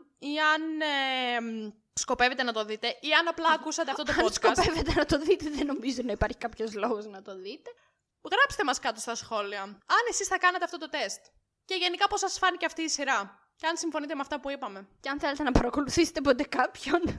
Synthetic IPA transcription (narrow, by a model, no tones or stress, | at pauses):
iɐn | sko̞pe̞vet̪e̞nɐt̪o̞ðit̪e̞iɐnɐplɐːkusɐt̪eɐfft̪ot̪oskopevet̪enɐt̪o̞ðit̪eðeno̞mizonɐipɐɾçi̥kɐpço̞zlo̞ɣoznɐt̪o̞ðit̪e̞ | ɣɾɐpse̥t̪emɐskɐt̪ost̪ɐsxo̞liɐɐnesisθɐkɐnɐt̪eɐft̪o̞t̪ot̪e̞st̪ | ce̞ʝe̞nikɐpo̞sɐsfɐniceɐft̪iːsiɾɐ | ceɐnsiɱfo̞nit̪eeɐft̪ɐpuipɐme̞ceɐnθele̞t̪e̞nɐpɐɾɐko̞luθise̥t̪epot̪e̞kɐpçon